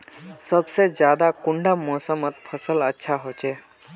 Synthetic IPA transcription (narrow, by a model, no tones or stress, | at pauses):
səbsed͡ʒjaːd̪akʊ̃ɳɖamɔːsəmət̪̚pʰəsələtːʃʰaɦoːt͡ʃeː